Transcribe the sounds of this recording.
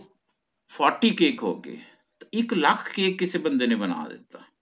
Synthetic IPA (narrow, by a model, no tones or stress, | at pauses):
pʰɔːɾʈːiːkeːkɦo̰ːɡḛː | t̪aɪkləkʰkeːkːɪseːbə̃nd̪eːnebəna̰ːd̪ɪ̰t̪ːaː